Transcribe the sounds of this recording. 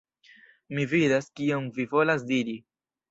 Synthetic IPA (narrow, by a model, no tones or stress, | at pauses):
mividaskiomvivo̞las̬diɾi